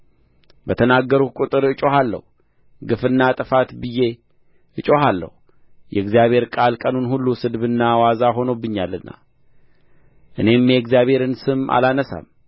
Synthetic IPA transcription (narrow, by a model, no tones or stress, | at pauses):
bət̪ʰənaɡːəɾukʼut̪ʼɨɾɨt͡ʃʼo̞halːə̰hu | ɡɨfɨnːat̪ʼɨfat̪bɨje̞ | ʔɨt͡ʃʼo̞ɦalːə̰hu | jɛɡzijaβhe̞ɾkʼalkʼənunhulːusɨd̪βɨnːawazaɦo̞nobːɨɲːalːɨnːa̰ | ʔɨne̞mjɛɡzjaβhe̞ɾɨnsɨma̰lanəsa̰m